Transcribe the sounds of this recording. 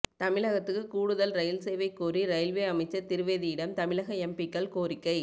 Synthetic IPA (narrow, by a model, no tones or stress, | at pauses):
t̪ɐmɪɻɐɣɐt̪ːɯkːɯkuːɽɯðɐlɾɐjɪlsɛjʋɐɪkːuːriɾɐjɪlʋeːɐmɐɪt͡ʃːɐɾt̪ɪɾɯʋeːðijɪɽɐmt̪ɐmɪɭɐɣɐɛmbɪkːɐɭkoːrɪkːɐɪ